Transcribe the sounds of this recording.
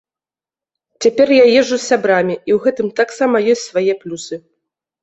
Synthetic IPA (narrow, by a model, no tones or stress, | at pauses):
t͡sʲapʲɛrjajɛʐusːʲabɾamʲiiwɣɛt̪ɨmt̪aksamɐjɔsʲtʲsvajɛplʲusɨ